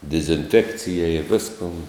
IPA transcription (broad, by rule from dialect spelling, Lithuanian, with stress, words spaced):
dʲɪzʲɪnʲˈfʲæːkt͡sʲɪjɛɪ ɪ ˈʋʲɪskoːn